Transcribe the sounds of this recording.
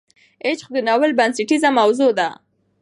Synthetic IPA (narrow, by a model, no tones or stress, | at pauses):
et͡ʃxd̪ənawəlbansɪʈizamawzod̪a